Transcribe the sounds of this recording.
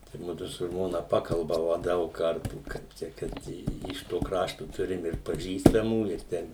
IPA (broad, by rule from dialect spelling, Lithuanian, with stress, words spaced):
tɐɪ ˈmʊdʊ sʊ ˈʒmoːnɐ ˈpɑːkɐlˠbɐʋɐ ˈdɐʊk ˈkɐrtuː kɐɪp ˈt͡ʃʲɛ ˈkɐt ɪ ɪʃ ˈtoː ˈkrɑːʃtoː ˈtʊrʲɪm ɪr pɐˈʒʲiːstɐmuː ɪr ˈtʲɛn